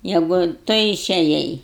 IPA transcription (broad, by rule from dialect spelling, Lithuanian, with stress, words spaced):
ˈjæːɡʊ ˈtʊ ɪʃʲɛˈjɛɪ